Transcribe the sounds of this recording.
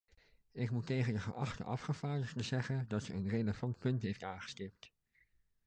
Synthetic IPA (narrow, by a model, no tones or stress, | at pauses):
ɪkmutejχəndəχə̰ʔɑχtə̰ʔɑfχəv̥aːɹdəχtəzɛχəndɑtəənrejləvɑntpɵntɦejftaːnχə̥stɪp̚t